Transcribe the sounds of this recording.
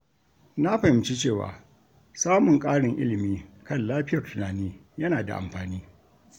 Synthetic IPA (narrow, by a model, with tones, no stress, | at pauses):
na˦ɸɐ˨ɪ˨mt͡ʃi˦t͡ʃeː˦˨wa̰ː˨ | saː˦mʊ˨ŋkʼaː˦ɽɪ˨ŋʔɪ̰˦lɪ˨miː˦kɐ˦˨nlaː˦ɸɪ˦jɐ˨rtʊ˨naː˨niː˦ | jɐ˦naː˨da̰˨ʔa̰˨mɸaː˨niː˦